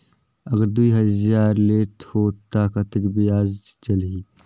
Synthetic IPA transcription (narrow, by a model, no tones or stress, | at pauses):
ɐɡəɾd̪uiːɦɐzaːɾleːt̪hoːt̪ːaːkat̪əkbiaːzt͡ʃɐlɡi